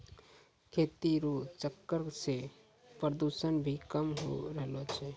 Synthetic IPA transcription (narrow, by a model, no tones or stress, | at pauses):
kʰet̪iɾut͡ʃəkːəɾse | pəɾd̪usənbʱikəmɦo̰ɾəɦlot͡ʃʰɛ